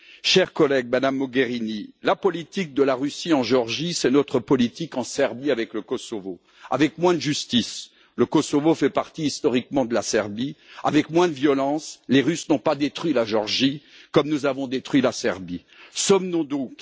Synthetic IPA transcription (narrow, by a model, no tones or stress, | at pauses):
ʃɛʁkɔlɛɡ̚mad̪amːɔɡeʁinilapɔlit̪ik̚d̪əlaʁysiɑ̃ʒeɔʁʒisɛnɔt̪χəpɔlit̪ikɑ̃sɛʁbiavɛkləkɔsɔvo | a̰vɛkmwɛ̃d̪əʒyst̪is | ləkɔsɔvofɛpaʁt̪iːst̪ɔʁikmɑ̃d̪əlasɛʁbiavɛkmwɛ̃d̪əvjɔlɑ̃sleʁysnɔ̃pad̪et̪χwɥilaʒɔʁʒi | kɔmnuzavɔ̃d̪et̪χɥilasɛ̰ʁbi | sɔmnɔ̃d̪ɔ̃k